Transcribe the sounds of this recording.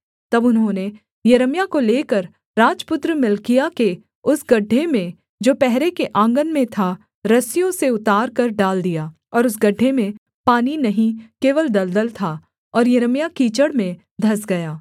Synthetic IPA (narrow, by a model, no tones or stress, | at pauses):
t̪ɐbʊnɦõːne | jɐɾəmjakoleːkɐɾ | ɾaːd͡ʒpʊt̪ɾəmɪlkijake | ʊsɡɐɖʱːemẽ | d͡ʒoːpɛɦɾekeʔãːŋɡənmẽt̪ʰa | ɾɐsijõseʊt̪aːɾkɐɾɖaːld̪ijaː | ɔːɾʊsɡɐɖʱːemẽ | paːninɐɦĩkeːʋəld̪ɐld̪əlt̪ʰa | ɔːɾjɐɾəmjakiːt͡ʃəɽmẽ | d̪ʱɐsɡɐjaː